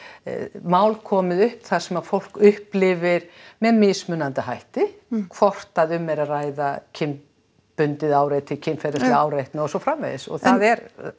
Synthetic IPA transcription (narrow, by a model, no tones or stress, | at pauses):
maːwlkʰɔːmɪðʏhpθaɾ̥sɛmaðfowl̥kʏhplɪvɪɾ̥mɛðmɪsmʏnant̪ɪɦajht̪ɪkʰv̥ɔr̥t̪aðʏmːɛɾaðraːjðacʰɪm | pʏnt̪ɪðaːwɾet̪ʰɪlcʰɪnfɛɾɪslaaːwɾejht̪nɪɔsɔfɾamvḛjðɪsɔ̰ɣθaðɛɾ